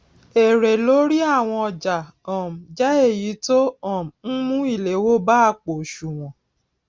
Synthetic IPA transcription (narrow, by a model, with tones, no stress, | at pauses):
e˨ɾe˨lo˨˦ɾi˦a˦˨w̃ɔ̃˧ɔ˨d͡ʒa˨ɔ̃˨m̩˨d͡ʒɛ˦e˦˨ji˨˦to˦ɔ̃˦˨m̩˨n̩˦mũ˦i˦˨le˨˦wo˦ba˦˧˨k͡po˨ʃu˨w̃ɔ̃˨